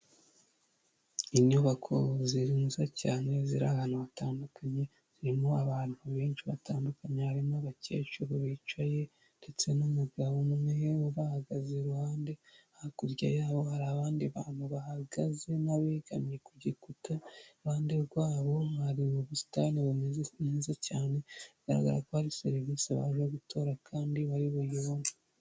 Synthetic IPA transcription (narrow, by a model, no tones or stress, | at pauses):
iɲuβakʰo̞̰ziɾimuzacaːne̞ziɾahanuβataːndukaɲe̞ | z̥iɾimoaβaːn̥huβeːnʃiβa̰taːndukaɲehaɾimaβace̞ːt͡ʃuɾoβiːt͡ʃwaje̞ | nde̞t͡se̞numuɡaβumueuɾahaɡaze̞ɾuhaːnde̞aakuɾɟajaːβo̞haɾaːβaːndiβaːn̥huβahaɡaze̞naβeɡamjekuɟekutaɾuhaːnde̞ɾɡwaːβo̞haɾimuβusi̥tanimezecaːne̞ɡa̰ɾa̰ɡa̰ɾakohaɾise̞ɾiviːseβa̰ʒeɡutʰo̞ːɾakʰaːndiβaɾiβojoβni